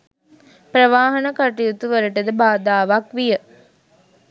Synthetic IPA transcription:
pɾəʋaːɦɐnəkaʈijut̪uʋəɾəʈəd̪əbaːd̪aːʋakʋijə

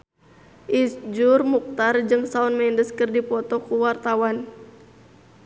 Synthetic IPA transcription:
ʔisd͡ʒurmuk̚t̪ard͡ʒɨŋsaunmɛndəskɨrdipɔt̪ɔkuwart̪awan

